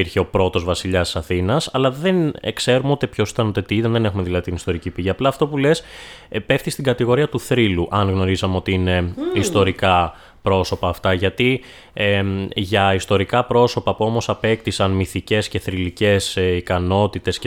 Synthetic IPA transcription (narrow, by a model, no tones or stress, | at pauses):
iɾçeo̞pɾo̞t̪o̞zvɐsiʎɐst̪isɐθinɐsɐlɐðe̞nḛkse̞ɾumeo̞t̪ipço̞si̥t̪ɐnot̪et̪iit̪ðɐnðene̞xumeðilɐðit̪inist̪o̞ɾicipiʝiɐplɐːft̪o̞pule̞s | pe̞ft̪ist̪iɡɐt̪iɣo̞ɾiɐt̪uθɾiluʔɐnɣno̞ɾizɐmeo̞t̪iine̞ist̪o̞ɾikɐ | pɾo̞so̞pɐːft̪ɐʝɐt̪i | eʝɐist̪o̞ɾikɐpɾo̞so̞pɐpuo̞mo̞sɐpe̞kt̪isɐnmiθice̞sce̞θɾilice̞sikɐno̞t̪it̪e̞s